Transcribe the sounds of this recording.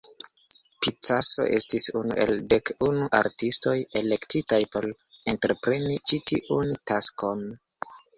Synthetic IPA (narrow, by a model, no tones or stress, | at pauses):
pit͡saso̞̰ʔe̞stisunṵʔe̞̰lde̞kunuʔa̰ɾtisto̞je̞le̞ktitajpo̞l | entɾe̞pɾe̞nit͡ʃitʰḭʔuntasko̞n